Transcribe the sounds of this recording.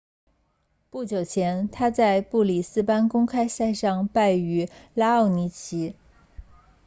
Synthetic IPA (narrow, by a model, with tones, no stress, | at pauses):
pu˥˩t͡ɕjo˨˩ʊt͡ɕʰjɛ˧˥nt̪ʰa˥t͡sa˥˧ɪpu˥˩li˨˩sɹ̩˥pa˥nkʊ˥ŋkʰa˥ɪsa˥˧ɪʂɑ˥˧ŋpa˥˩ɪy˧˥la˥ɑ˥˩ʊni˧˥t͡ɕʰi˧˥